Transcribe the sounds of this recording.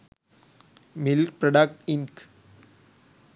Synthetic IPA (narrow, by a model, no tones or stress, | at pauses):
milk̚pɾɐɖak̚ʈiŋk